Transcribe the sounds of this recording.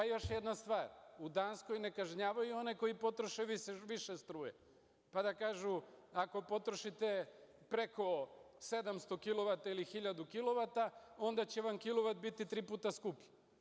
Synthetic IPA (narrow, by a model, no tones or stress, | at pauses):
pajo̞ʃjed̪nast̪ʋaːɾud̪ansko̞jne̞kaʒɲaːʋajuo̞neko̞jipo̞t̪ɾo̞ʃeʋiʃeʋiʃest̪ɾuːjḛ | pad̪akaːʒuako̞po̞t̪ɾoʃit̪e | pɾe̞ko̞ | se̞d̪amst̪o̞kilˠo̞ʋat̪ailixiʎad̪ukilo̞ʋat̪ao̞nd̪at͡ɕeʋamkilo̞ʋat̪̚bit̪it̪ɾiːpuːt̪askupʎe